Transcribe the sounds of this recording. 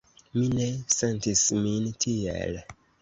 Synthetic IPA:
minesentismintʰiḛl

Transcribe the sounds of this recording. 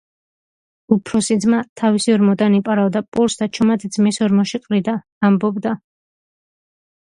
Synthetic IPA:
upʰɾɔsid̪zmat̪ʰavisiɔɾmɔd̪anipʼaɾavd̪apʼuɾsd̪at͡ʃʰɔmat̪ʰd̪zmɛsɔɾmɔʃiqʼɾid̪aː | mbɔbd̪a

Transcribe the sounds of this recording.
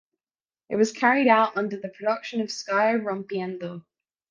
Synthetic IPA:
ɪ̰ʔ̚wɒz̥kʰæɹiɾaʊʔʌ̃ndə˞ðəpʰɹ̥ədʌkʃə̃nəv̥skaɪə˞ɹʌ̃mpiæ̃ndo

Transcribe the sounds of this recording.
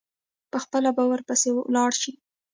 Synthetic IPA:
pəxpəlabawəɾpəsewlɑɽʃi

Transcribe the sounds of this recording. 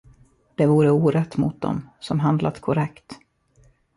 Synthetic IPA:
d̪̥ɛvuːɾəuːɾɛt̪ːmʊ̰t̪̚d̪ɔ̰msɔmɦand̪lʔat̪kʰɔɾɛkt̪

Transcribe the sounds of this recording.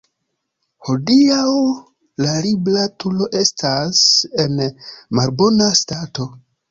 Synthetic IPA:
ho̞diaw | laɾiblatulo̞ʔe̞stʰase̞nmalbo̞nastato̞

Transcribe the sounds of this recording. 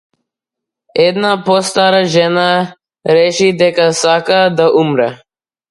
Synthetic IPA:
ɛd̪napost̪aɾaʒɛna | ɾɛʃid̪ɛkasakad̪aʔumɾɛ

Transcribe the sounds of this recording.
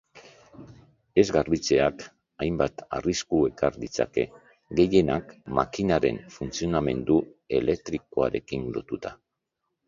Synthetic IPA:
e̞zɡarβit͡se̞ak | ajmbat̪a̰riskue̞kaɾd̪it͡sa̰ke̞ | ɡe̞je̞nakma̰kinaɾe̞̰ɱfunt͡sio̞name̞nd̪ue̞le̞k̚t̪ɾiko̞a̰ɾe̞kinlo̞t̪ut̪a

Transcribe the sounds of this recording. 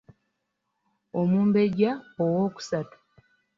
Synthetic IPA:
omuːmbe̞ɟaowo̞ːku̥satu̥

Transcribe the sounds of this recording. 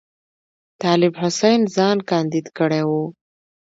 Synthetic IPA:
t̪ɑlɪbhʊsajnzɑnkɑnd̪id̪kəɽewu

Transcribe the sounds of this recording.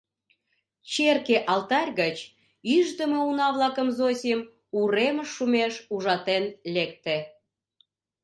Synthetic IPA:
t͡ɕerkeʔɑlt̪ɑrʲɣət͡ɕ | yʒd̪əməunɑβlɑkəmzosʲem | uɾeməʃːumeʃuʒɑt̪enlek̚t̪e

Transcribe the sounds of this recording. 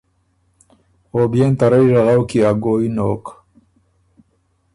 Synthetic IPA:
oːbjeːnt̪aɾɐjʒaɣawkiaɡoːinoːk

